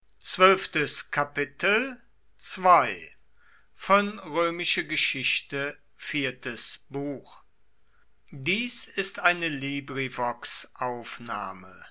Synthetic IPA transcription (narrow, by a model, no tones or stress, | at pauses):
t͡sv̥œlftəskʰapɪtʰl̩ | t͡sv̥aɪ | fɔnʁøːmɪʃəɡəʃɪçtə | fiːɐtʰəsb̥uːx | diːsɪstʔaɪnəliːbʁivɔksʔaʊfnaːmə